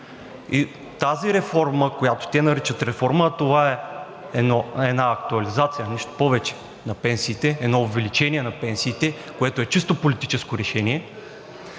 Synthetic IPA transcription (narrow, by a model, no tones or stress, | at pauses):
i | t̪aziɾɛfɔɾməkojat̪o̥t̪ɛnɐɾit͡ʃət̪ɾɛfɔɾmət̪ovaɛ | ɛnɔɛnaɐk̚t̪uɐlizat̪sijəniʃt̪o̥pɔvɛt͡ʃɛ̥ | nɐpɛnsiːt̪ɛɛd̪nɔovɛlit͡ʃɛniɛnɐpɛnsiːt̪ɛ | koɛt̪oɛt͡ʃist̪opolit̪it͡ʃɛskoɾɛʃɛniɛ